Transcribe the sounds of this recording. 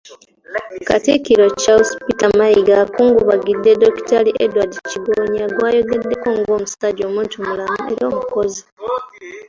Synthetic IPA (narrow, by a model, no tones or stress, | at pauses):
katikiɾo̞caospitamajiɡakuːŋɡuβaɡidːedoki̥taliʔedwadiciβoːɲaɡwaːjo̞ɡedːe̞kuːŋɡo̞ːmustaɟo̞muːntuomulamueɾio̞ːmuko̞zi